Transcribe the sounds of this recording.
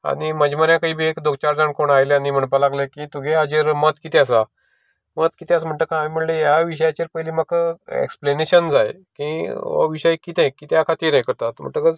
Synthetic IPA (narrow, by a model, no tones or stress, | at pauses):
a̰niməd͡ʑməɾjãkaiːbʱiekd̪ok̚t͡ɕaɾd͡zaɳkoɳajleanim̤əɳpalaɡlekit̪uɡead͡ʑeɾmət̪kit̪ʰẽasa | mət̪kit̪ʰeasam̤əɳʈ̪əkʰãmim̤əɳlejaʋiɕ̬əjat͡ɕiɾpəjlimakḛkspleneɕənd͡zaje | kĩʋə̰ʋiɕəjkit̪ẽkit̪eakʰat̪iːɾẽkəɾt̪at̪m̤ə̰ɳʈəkəd͡z